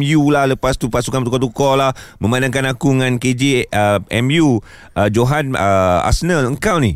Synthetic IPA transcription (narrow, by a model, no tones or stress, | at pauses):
mjulahləpast̪upasukanpt̪ukɔt̪ukɔlahmə̃manãŋkanakuŋãnked͡ʒiəɛmju | əd͡ʒoɦanəa̰sənələŋkawni